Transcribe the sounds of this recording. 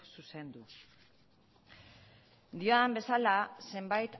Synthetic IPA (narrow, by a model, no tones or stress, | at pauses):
suse̞nd̪u | d̪ioambe̞salase̞mbajt̪